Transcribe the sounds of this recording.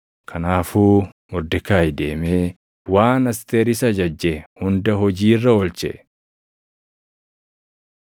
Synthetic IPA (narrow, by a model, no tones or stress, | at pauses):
kʰɐnaːfuː | mʊɾd̪ɪkaːjd̪e̞ːmeː | waːnɐst̪eːɾɪsɐd͡ʒɐd͡ʒːɛhʊnd̪ɐɦɔd͡ʒiːrːɐɔlt͡ʃɛ̰ʔ